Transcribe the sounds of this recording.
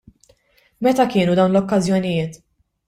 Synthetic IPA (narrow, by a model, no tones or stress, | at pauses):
mɛt̪ɐkɪːnud̪ɐwnlɔkːɐzjɔnɪjɪːt̪